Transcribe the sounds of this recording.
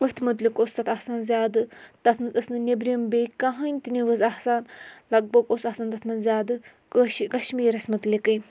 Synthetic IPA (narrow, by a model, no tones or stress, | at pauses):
ʋɐɦʲt̪ʰmut̪lʲikoːst̪ɐt̪ʰɐhsaːnzʲjaːd̪ɨt̪ɐt̪ʰnɨɐsnɨnʲebɾimbekaɦɐnʲt̪ɨniʋəzɐhsaːnlɐɡ̚bɐɡosɐsaːnt̪ɐt̪ʰmɐnzʲjaːd̪ɨ | kəʃkɐʃmiːɾɐsʲmɨt̪lʲikɨj